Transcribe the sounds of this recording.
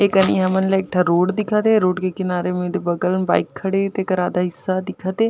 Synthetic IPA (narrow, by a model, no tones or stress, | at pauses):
eːkəniːɦəmənleek̚ʈʰaɾoːʈd̪ɪkʰaːt̪eːɾoːʈkekɪnaːɾemẽd̪ebəɡəlnba̰ːɪkʰːəɽet̪ekəɾaːd̪aɦɪsːad̪ɪkʰaːt̪eː